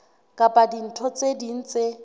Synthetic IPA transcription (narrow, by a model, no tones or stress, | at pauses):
kʼapʼadin̩tʰɔt͡sʼedin̩t͡sʼe